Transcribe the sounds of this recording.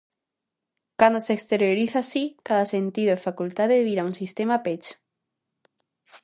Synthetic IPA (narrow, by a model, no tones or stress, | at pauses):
kand̪osekst̪eɾjoɾiθasikaðasent̪iðoefakult̪aðeeβiɾaunsist̪emapet͡ʃ